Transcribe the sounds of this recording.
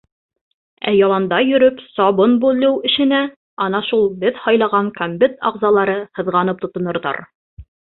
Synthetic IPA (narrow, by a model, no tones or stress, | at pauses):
æ̰jɑlˠɑnd̪ɑjɵ̆ɾɵpsɑβɤnbʉlːɘwɘ̆ʃɘ̆næ | ɑnɑʃulˠbɘðhɑjlˠɑʁɑŋkombɘt̪ɑ̰ʁzɑlˠɑɾɤhɤ̆ðʁɑnɤp̚t̪ŏt̪ŏnŏɾðɑ̰ɾ